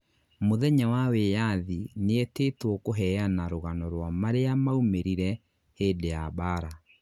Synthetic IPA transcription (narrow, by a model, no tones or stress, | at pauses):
moðɛɲawawejaðineetetwɔkoɦɛjanaɾoɣanɔɾwamaɾeamaumeɾiɾɛ | heːdejabaɾa